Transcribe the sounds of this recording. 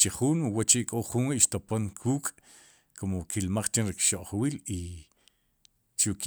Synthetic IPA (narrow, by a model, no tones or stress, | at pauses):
t͡ʃeχuːnwat͡ʃiʔkʼoχunweʔʃt̪oponkʰuːkʼ | komokilmaχt͡ʃenɾikʃoʔχwili | ʃuʔk